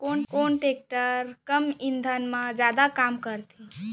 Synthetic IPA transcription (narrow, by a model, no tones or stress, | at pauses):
konkonʈek̚ʈəɾkəmind̪ʱənmãd͡ʒjad̪akamkəɾt̪ʰi